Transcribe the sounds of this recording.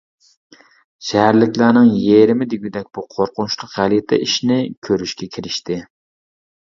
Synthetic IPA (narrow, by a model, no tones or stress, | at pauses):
ʃæhæɾlɪkʲlæɾnɪŋjeɾɪmɪd̪ɪɡʲyd̪ɛk̚ʲb̥uqʰoɾqʊnt͡ʃlˠʊqʁæljet̪ʰɛ̰iʃnɪkʲʰøɾyʃkʲɛkʲʰɪɾɪʃt̪ɪ